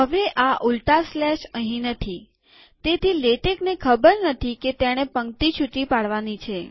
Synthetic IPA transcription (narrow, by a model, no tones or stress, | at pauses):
ɦəʋeʔaʔulʈ̪aslɛʃəɦĩnət̪ʰi | t̪et̪ʰileʈeknekʰəbəɾnət̪ʰiket̪aɽ̃epəŋkt̪it͡ʃʰuʈipaɽʋanit͡ʃʰe